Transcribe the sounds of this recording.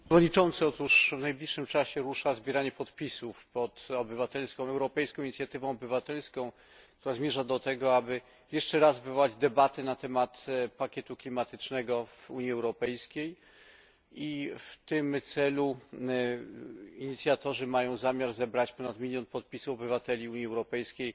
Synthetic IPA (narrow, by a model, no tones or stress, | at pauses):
vɔd̪ɲit͡ʂɔ̃nt̪sɘɔt̪uʂvnajblʲiʂːɘmt͡ʂaɕɛɾuʂazbʲjɛɾaɲɛpɔt̪pʲisufpɔt̪ɔbɘvat̪ɛlskɔ̃w̃ɛwɾɔpɛjskɔ̃iɲit̪sʲjat̪ɘvɔ̃w̃ɔbɘvat̪ɛlskɔ̃w̃ | kt̪uɾazmʲjɛʐad̪ɔt̪ɛɡɔabɘ | jɛʂt͡ʂɛɾazvɘvɔwad͡ʑd̪ɛbat̪ɘnat̪ɛmat̪pakʲɛt̪uklʲimat̪ɘt͡ʂnɛɡɔvuɲiɛwɾɔpɛjskʲej | ift̪ɘmt̪sɛlu | iɲit̪sʲjat̪ɔʐɘmajɔ̃w̃zamʲjaɾzɛbɾat͡ɕpɔnat̪mʲilʲjɔnpɔt̪̚pʲisufɔbɘvat̪ɛlʲiuɲiɛwɾɔpɛjskʲej